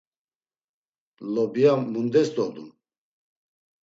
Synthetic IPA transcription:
lɔbijaːund̪ɛsd̪ɔd̪ṵn

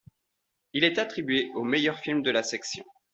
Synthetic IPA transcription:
ilɛt̪at̪χibɥeʔomejœʁfilmd̪əlasɛksjɔ̰̃

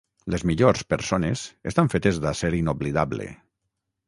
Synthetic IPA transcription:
lezmiʎoɾspeɾsonezest̪aɱfet̪ezðaseɾinoβliðaβlḛ

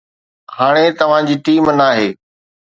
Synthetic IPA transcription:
haːɽ̃et̪ɐʋ̤ãd͡ʑiːʈiːmnaːɦeː

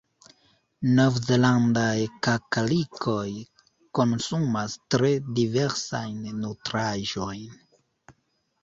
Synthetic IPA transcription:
novzeland̪aekakalikʰoj | konsumastɾediveɾsajnːotɾaʒojn

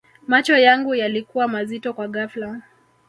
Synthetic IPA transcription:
mat͡ʃɔjaŋɡujalikuwamazitɔkwaɠafla

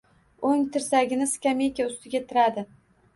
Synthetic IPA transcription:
oŋt̪ʰɪɾsaɡʲɪnɪskʲamejkʲaʊst̪ʰɪɡʲat̪ʰɪɾad̪ɪ

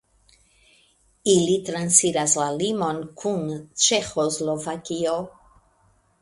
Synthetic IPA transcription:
ilit̪ɾansiɾaslalimonkʰunt͡ʃexozlovakio

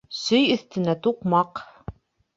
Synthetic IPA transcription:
sɵjɵ̆θt̪ɘ̆næt̪uqmɑq

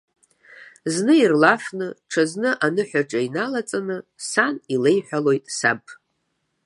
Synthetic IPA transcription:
znɨirlafnɨʈ͡ʂʰaznɨʔanɨħʷᶣaʈ͡ʂʼainalat͡sʼanɨsanile̞jħʷᶣalo̞jtʼsa̰bʰʼ

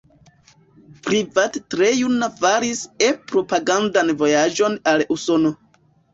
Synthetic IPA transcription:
pɾivattɾejunafaɾisepɾo̞paɡandanvo̞jad͡ʒo̞naluso̞no̞

